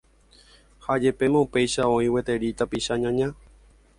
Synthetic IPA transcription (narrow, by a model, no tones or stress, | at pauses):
had͡ʒe̞pe̞mãupe̞jʃaõ̞ĩwe̞t̪e̞ɾit̪apiʃaɲãɲã